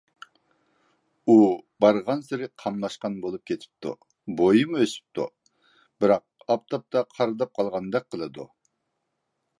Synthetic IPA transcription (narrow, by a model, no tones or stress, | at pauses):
ubɑɾʁɑnsɪɾɪqʰɑmlˠɑʃqɑnbolˠup̚kʲʰet̪ʰɪ̥p̚t̪ʰṵ | bojɨmuøsɪ̥p̚t̪ʰṵ | b̥ɪɾɑq̚ | ɑp̚t̪ʰɑp̚t̪ʰɑqʰɑɾɨd̪ɑp̚qʰɑlˠʁɑnd̪ɛk̚qʰəlˠɨd̪ṵ